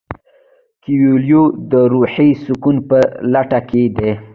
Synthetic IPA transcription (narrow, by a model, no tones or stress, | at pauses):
kiwuljod̪əɾuħisʊkunpəlaʈaked̪e